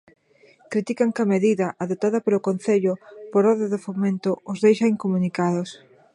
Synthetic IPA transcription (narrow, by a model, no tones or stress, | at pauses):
kɾit̪ikaŋkɐmeðiðɐʔaðot̪aðɐpelokonθeʎʊpoɾɔðeðɪfomẽnt̪ʊozðejʃajŋkomunikaðos